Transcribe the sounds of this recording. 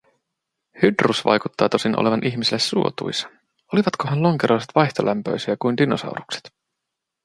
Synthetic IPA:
hydrusʋɑ̰jkut̪ːɑːt̪o̞sinʔo̰le̞ʋɑnʔiçmisilːesːuo̞̰t̪ṵjsɑ̥ | o̞liʋɑt̪ko̞ɦɑnlo̞ŋkeɾoiset̪ʋɑjçt̪o̞̰lʔæmpø̞̰jsiækuind̪inosɑ̰wɾukse̥t̪

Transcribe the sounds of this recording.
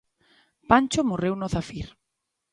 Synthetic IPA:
pant͡ʃomorewnoθafiɾ

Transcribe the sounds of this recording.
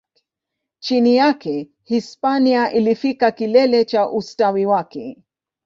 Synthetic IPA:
t͡ʃinijakɛ | hispaniaʔilifikakilɛlɛt͡ʃaʔustawiwakɛ

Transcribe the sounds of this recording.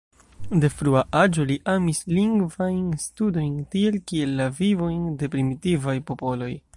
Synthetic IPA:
de̞fɾuaʔad͡ʒo̞liʔamisliŋɡvajnstudo̞jntie̞lkie̞lːavivo̞jnde̞pɾimitivajpo̞po̞lo̞j

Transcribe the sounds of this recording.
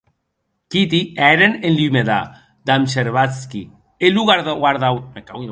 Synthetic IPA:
kit̪̬iɛɾenenlimeða | d̪amseɾβat͡skḭ | eluɣaɾðaɣaɾðawmeka

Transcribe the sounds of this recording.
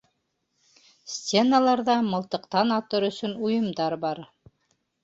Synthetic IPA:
sʲtʲe̞nalˠɑɾðɑmɤ̆lˠt̪ɤ̆qt̪ɑnɑt̪ɤɾɵ̆sɵnujɤ̆md̪ɑɾbɑɾ

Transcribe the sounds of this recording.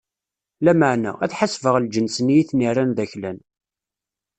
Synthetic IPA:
læməʕnæ̰æθħasvəʁld͡ʒənsnijiθniranðæçlæn

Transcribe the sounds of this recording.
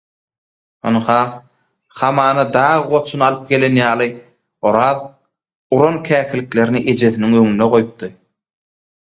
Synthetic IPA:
onhɑː | χɑmɑːnɑd̪ɑːʁɯʁo̞t͡ʃʰunɑlˠɯp̚ɡe̞le̞njɑːlˠɯ | oɾɑːð | uɾonkʰæːkʰilikle̞ɾniʔe̞d͡ʒe̞θiniŋøŋynːeʁo̞jup̚d̪ɯ

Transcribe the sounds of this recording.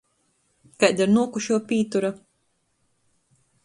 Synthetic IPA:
kajd̪aɾnuɔkuʃuɔpʲiːt̪uɾa

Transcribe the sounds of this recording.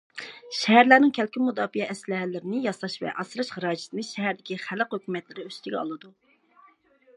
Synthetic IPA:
ʃɛɦæɾlæɾnɪŋkʲʰælkʲimud̪ɑːfijɛʔɛslæɦælɪɾɪnɪjɑsˠɑʃvɛ̰ʔɑsɨɾɨʃχəɾɑːd͡ʒɪ̥sɪnɨʃɛɦæɾd̪ɪkʲiχæləqhøkʲʰymɛt̪lɪɾɪøst̪ʰɪɡʲɛɑ̰lˠɨd̪u

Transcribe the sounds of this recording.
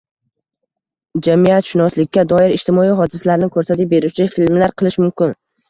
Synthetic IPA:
d͡ʒamijat̪ʃɪnɒslɪkʲːad̪ɒɪɾɪʃt̪ʰɪmɒiɦɒd̪ɪsalaɾɪnɪkʰɵɾsat̪ɪp̚be̞ɾɪt͡ʃʰɪfɪlmlaɾqʰɨlˠɪʃmʊmkʲɪn

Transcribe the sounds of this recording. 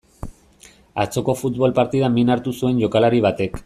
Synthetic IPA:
a̰t͡so̞ko̞fut̪βo̞lpaɾt̪iðaminaɾt̪usue̞nʝo̞kalaɾiβ̞at̪e̞k

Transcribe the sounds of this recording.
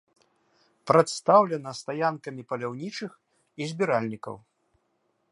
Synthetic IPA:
pɾɐt̪st̪awlʲɛnɐst̪ajankɐmʲipɐlʲawnʲit͡ʂɨx | izʲbʲiɾalʲnʲikɐ̰w

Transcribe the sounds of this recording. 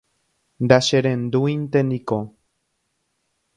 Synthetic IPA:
nd̪aʃeɾẽnd̪uint̪eniko

